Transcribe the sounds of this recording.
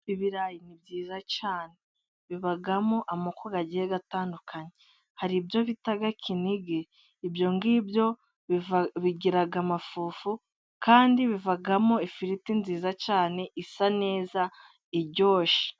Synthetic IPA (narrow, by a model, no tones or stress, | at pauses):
iβiɾajinibɟiːzacaːne | βiβaɡamoʔamukoɡaɟiheɡataːndukʰaɲe | haɾibjo̞βitaɡakʰiniɡe̞ | ibjo̞ŋɡiːbjo̞ | βiɟiɾaɡamafuːfu | kaːndiβivaɡamoifiɾitinziːzacaːne̞ʔisane̞ːza | iɟo̞ːʃi̥